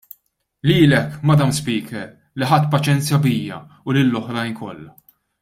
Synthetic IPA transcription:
liːlɛkmɐd̪ɐmspiːkʰɛɾ | liħɐt̪ːpɐt͡ʃɛnt͡sjɐbijːɐ̰ | ʊlɪlːɔħɾɐjnkɔ̰lːɐ

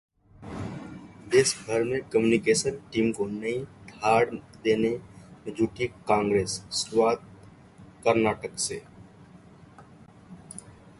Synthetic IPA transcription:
ɪsbʱəɾmẽkəmjunɪkeːsənʈiːmkonəĩd̪ʱaːɽd̪eːned͡ʒuːʈikãːŋɡɾeːsːwaːt̪̚ | kəɾnaːʈəkseː

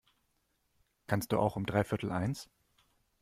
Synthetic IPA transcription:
kʰanst̚d̥ṵːʔa̰ʊxʊmdʁaɪfɪɐtʰl̩ʔaɪns

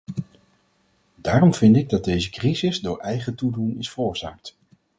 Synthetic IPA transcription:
daːrɔmv̥ɪndɪɡ̚dɑd̚dejzəkrizɪzdʊːɹʔɛjχətudunɪsfəɹʊːɹzaːk̚t

